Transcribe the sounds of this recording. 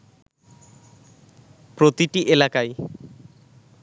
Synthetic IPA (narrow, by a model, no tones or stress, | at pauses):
pɾot̪iʈiʔelakaj